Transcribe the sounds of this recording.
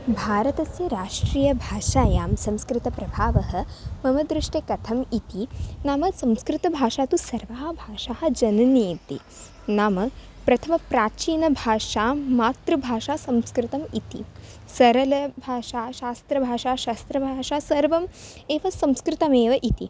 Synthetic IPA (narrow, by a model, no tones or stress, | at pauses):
bʱaːɾɐt̪ɐsjɐɾaːʂʈɾiːjɐbʱaːʂaːjaːmsɐ̃mskɾɪt̪ɐpɾɐbʱaːʋɐɦɐ̆mɐmɐd̪ɾɪʂʈekɐt̪ʰɐmit̪inaːmɐsɐmskɾɪt̪ɐbʱaːʂaːt̪usɐɾʋaːɐbʱaːʂaːɦɐ̆d͡ʒɐnɐniːt̪i | naːmɐ | pɾɐt̪ʰɐmɐpɾaːt͡ʃiːnɐbʱaːʂaːmaːt̪ɾɐbʱaːʃaːsɐmskɾɪt̪ɐmit̪ḭ | sɐɾɐlɐbʱaːʃaːʃaːst̪ɾɐbʱaːʃaːʃaːst̪ɾɐbʱaːʂaːsɐɾʋɐm | eːʋɐsɐ̃mskɾɪt̪ɐmeːʋɐʔit̪ḭ